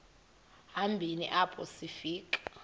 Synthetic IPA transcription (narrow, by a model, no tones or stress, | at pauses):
ambʱinḭʔabʰʱʼosifiːkʼḁ